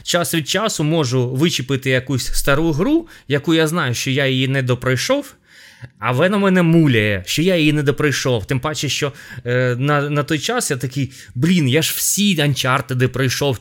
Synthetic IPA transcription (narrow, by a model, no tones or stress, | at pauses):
t͡ʃasʋʲid̪̚t͡ʃasʊmɔʒʊʋɪt͡ʃɪpɪt̪ɪjɐkusʲst̪ɐɾujʊɦɾujɐkujaznɑjʊʃt͡ʃɔjajɪjinɛd̪ɔpɾɔjʃɔw | ɐʋɛnɐmɛnɛmulʲɐjɛʃt͡ʃɔjajɪjinɛd̪ɔpɾɐjʃɔwt̪ɪmpɑt͡ʃɪʃt͡ʃɔ | nɐnɐt̪ɔjt͡ʃasjat̪ɐkɪj | blʲinjaʒwsʲiɐnʲt͡ʃart̪ɪd̪ɪpɾɐjʃɔw